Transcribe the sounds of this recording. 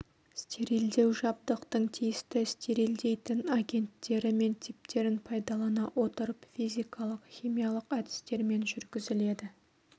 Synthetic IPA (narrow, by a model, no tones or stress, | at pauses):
st̪ʰeɾild̪e̞wʒɑb̚d̪əqt̪əɴt̪ʰijɪst̪ɪst̪eɾild̪e̞jt̪ɪnaɡʲe̞nt̪ːe̞ɾɪme̞nt̪ʰip̚t̪e̞ɾɪnpʰɑjd̪ɑlˠɑnɑwʔo̞t̪əɾəpfizʲijkɑlˠəqχʲijmijɑlˠəqæd̪ɪ̥st̪e̞ɾme̞nʒʏɾɡʲɪzɪle̞d̪ɪ